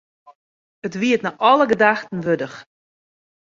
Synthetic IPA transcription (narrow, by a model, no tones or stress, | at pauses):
ətʋiətnaʔɔləɡədaxtən̩ʋødəx